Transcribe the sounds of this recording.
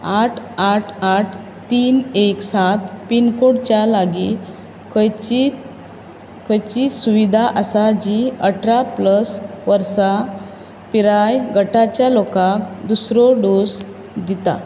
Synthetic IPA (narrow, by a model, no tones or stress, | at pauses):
aʈʰaʈʰaʈʰ | t̪iːneksat̪pinkoɽt͡ɕjalaɡi | kʰəjt͡ɕi | kəjt͡ɕisuʋid̪ʱaʔəsad͡ʑiəʈʰɾapləsʋəɾsa | piɾajɡəʈat͡ɕjalokãkd̪usɾɔɖos | d̪it̪a̰